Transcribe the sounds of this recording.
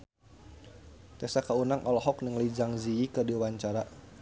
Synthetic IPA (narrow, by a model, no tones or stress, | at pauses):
t̪ɛsakaunaŋʔɔlɔɦɔk̚nəŋlid͡ʒaŋziikədiwaɲt͡ʃaɾa